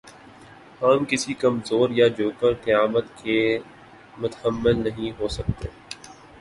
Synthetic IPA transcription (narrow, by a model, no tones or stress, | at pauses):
hɐmkɪsikɐmzoːɾjad͡ʒoːkəɾt̪ɪjaːmət̪ke | mʊt̪həmːɪlnɐɦĩɦoːsɐk̚t̪ḛː